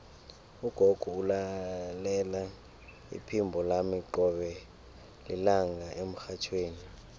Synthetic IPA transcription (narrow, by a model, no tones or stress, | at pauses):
uɡ̥ʱoɡ̥ʱuulalɛla | ḭpʰimbʱɔlamiǃɔɓɛ | lḭlaŋɡʱaem̩xat͡ʃʰweːni